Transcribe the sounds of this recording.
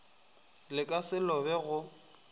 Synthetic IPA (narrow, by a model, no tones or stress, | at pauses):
lɪkʼasɪlɔbɛɣʊ